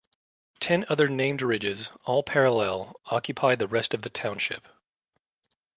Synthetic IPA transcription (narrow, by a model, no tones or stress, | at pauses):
tʰɛ̃nʌðə˞nẽɪ̃mdɹɪd͡ʒɪzɔlˠpʰɛɹəlɛlˠɑkʰjɨpʰaɪd̪̚ðɨɹɛstʌvðɨtʰãʊ̃nʃɪ̰p̚